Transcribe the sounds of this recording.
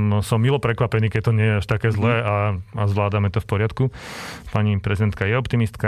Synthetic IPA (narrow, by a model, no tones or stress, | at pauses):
sɔmːilɔpɾɛkʋapɛniːkɛt̪ɔɲɪɛjɛaʃt̪akɛːzlɛːaazʋlaːd̪amɛt̪ɔfpɔɾɪat̪kupaɲipɾɛzid̪ɛnt̪̚kajɛɔpt̪imist̪ka